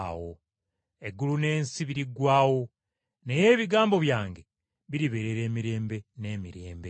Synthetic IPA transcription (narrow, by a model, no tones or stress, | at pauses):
wo̞ | e̞ɡulune̞ːnsiβiɾiɡwaːwo̞ | ne̞je̞ːβiɡaːmbo̞βjaːŋɡe̞ | βiɾiβe̞ɾe̞ɾe̞ːmiɾe̞ːmbe̞ne̞ːmiɾe̞ːmbe̞